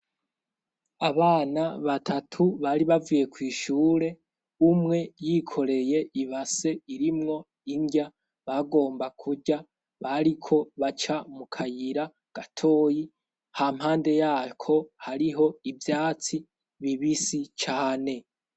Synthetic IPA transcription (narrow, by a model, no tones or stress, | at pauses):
aβaːnaβatʰatʰuβaɾiβavije̞kwiːʃuːɾe̞ | umŋe̞jiːkʰo̞ɾe̞je̞ʔiβase̞iɾimŋo̞ | iɲɡa | βaɡo̞ːmbakʰuɟa | βaɾikʰo̞βat͡ʃamukʰajiɾa | ɡ̥atʰo̞ːji | ham̥haːnde̞jaːkʰo̞haɾiɦo̞ivjaːt͡si | βiβisit͡ʃaːne̞